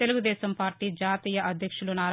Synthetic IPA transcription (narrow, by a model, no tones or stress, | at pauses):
eluɡud̪ɛːsɐmpaːɾʈiːd͡ʒaːt̪iːjɐʔɐd̪ʱjɐkʂulunaːɾ